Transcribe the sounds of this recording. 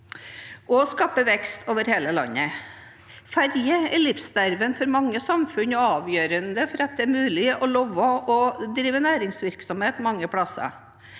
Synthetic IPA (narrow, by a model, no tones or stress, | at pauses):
ʔɔskɑːpəʋɛkst̪ʰoːʋəɾheːləlɑ̰nːə | fæɾjəɛɭɪfsd̪æɾʋənfɔɾmɑŋːəsɑmfʉnɔɑːʋjøːɾənd̪əfɔɾɑt̪̚d̪ɛæɾmʉːlɪʔɔloːʋəɔd̪ɾiːʋənæːɾɪŋsʋɪɾksɔmheːt̪mɑŋːəpʰɽɑsɑ̰